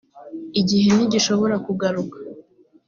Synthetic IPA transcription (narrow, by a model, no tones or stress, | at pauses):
iɟihe̞niɟiʃo̞βo̞ɾakuɡaɾukḁ